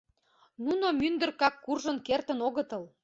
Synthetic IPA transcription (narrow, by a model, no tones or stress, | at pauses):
nunomynd̪ə̆rkɑkːurʒənkert̪ənoɣət̪əl